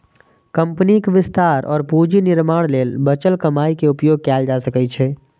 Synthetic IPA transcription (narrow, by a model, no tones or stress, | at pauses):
kə̃mpnikʋɪst̪aːɾʔɔ̰ːɾpuːd͡ʒinɪɾmaːɽ̃leːlbət͡ʃəlkɐmaːikeʊpjoːɡ̚kɛːld͡ʒaːsəkəit͡ʃʰɛː